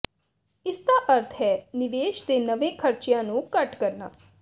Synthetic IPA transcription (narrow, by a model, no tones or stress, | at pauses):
ɪst̪aʔɐɾt̪ʰɦɛnɪʋeːʃt̪enɐʋẽkʰɐɾt͡ʃjãːnũkɐʈkɐɾna̰ː